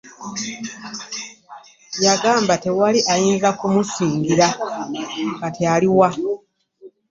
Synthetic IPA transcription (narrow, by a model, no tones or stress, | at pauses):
jaɡaːmbatewaliʔajiːŋɡakumusiːŋɡiɾa | ŋɡatealiwa